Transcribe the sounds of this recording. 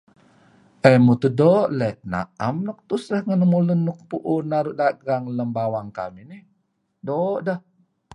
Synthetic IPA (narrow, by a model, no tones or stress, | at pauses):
ʔɛmut̪udɔʔlɛt̪̚na̰amnək̚t̪usləhŋənəmulənːuk̚puʔunaɾuʔdaɡɾaŋləmbawaŋka̰minih | dɔʔdəh